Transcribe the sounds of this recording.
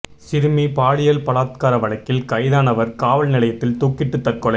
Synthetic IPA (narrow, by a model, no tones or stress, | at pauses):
sɪɾɯmipaːɭɪjɐlpɐlaːt̪kaːɾɐʋɐɭɐkːɪlkɐɪðaːnɐʋɐɾkaːʋɐlnɪlɐjɐt̪ːɪlt̪uːkːɪʈːɯt̪ːɐɾkɔɭɐ